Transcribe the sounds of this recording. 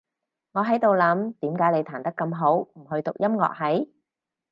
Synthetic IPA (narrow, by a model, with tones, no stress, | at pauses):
ŋɔː˨˧ɦɐ˨˥jt̪o˨wlɐ˨˥mt̪iː˨˥mkaː˨˥jle˨˧jt̪ʰaː˨˩nt̪ɐ˥kːɐ˧mɦo˨˥wm̩˨˩ɦɵ˧ɥt̪ʊ˨k̚jɐ˥mŋɔ̰ː˨k̚hɐ˨˥j